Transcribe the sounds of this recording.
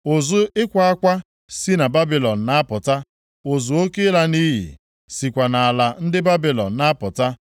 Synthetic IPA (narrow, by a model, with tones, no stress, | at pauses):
o˨zʊ˦ɪ˦kʷa˨a˦kʷa˦ | si˦na˨ba˦bi˨lɔ˨n̩˨na˦pʊ˨ta˦ | o˨zʊ˨o˦ke˦la˦ni˦ɦḭ˨ | si˨kʷa˨na˨a˨la˨n̩˦dɪ˦ba˦bi˨lɔ˨n̩˨na˦pʊ˨ta˦